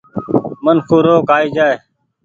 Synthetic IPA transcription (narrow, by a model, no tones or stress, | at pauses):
mənkʰoːɾoːkaːiːd͡ʒaːeː